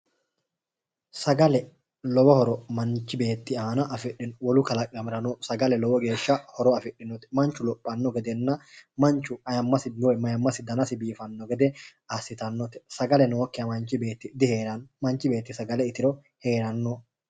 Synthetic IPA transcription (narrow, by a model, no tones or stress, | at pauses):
sɐɡɐlɛ | lɔwɔhɔɾɔmɐnt͡ʃːɪbe̞ːt̪ːɪaːnɐʔɐfɪɗɪnwɔlʊkɐlɐkʼɐmɪɾɐnosɐɡɐlɛlɔwɔɡe̞ːʃːɐhɔɾɔɐfɪᶑːɪnɔt̪ɛ̥mɐnt͡ʃːʊlɔpʼːɐnːɔɡɛd̪ɛnːɐmɐnt͡ʃːʊɐjɐmːɐsɪmɔɛmɐjɐmːɐsɪd̪ɐnɐsɪbiːfɐnːɔɡɛd̪ɛɐsɪt̪ɐnːɔt̪ɛ̥sɐɡɐlɛnoːkːɛɐmɐnt͡ʃɪbeːt̪ːɪd̪ɪheːɾɐnmɐnt͡ʃːɪbe̞ːt̪ːɪsɐɡɐlɛɪt̪ɪɾɔ | he̞ːɾɐnːo